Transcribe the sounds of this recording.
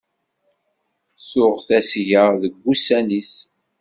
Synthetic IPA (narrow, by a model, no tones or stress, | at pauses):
sʊʁθæsʝəðəɡːusænis